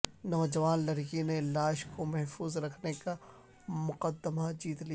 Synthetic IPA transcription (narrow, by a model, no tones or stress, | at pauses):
nɔːd͡ʒɐʋaːnlɐɾkinelaːʃkʰomɛɦfuːzɾɐkʰneka | mʊqəd̪ːəmad͡ʒiːt̪li